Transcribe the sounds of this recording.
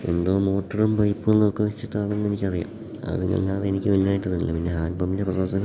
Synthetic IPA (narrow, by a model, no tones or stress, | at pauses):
e̞̰nd̪oːmːo̞ːʈːɐrumbɐjpːɨɭnːoːkːɨʋit͡ɕːit̪ːaːɐɳenːenikʲːɐrija̰ːm | a̰ðeŋːɐ̰lːaːðenikʲːɨʋɐlijaːjiʈːɐrunilːɐ̰pinːe̞ɦaːnpɐmːindeprɐoːsɐn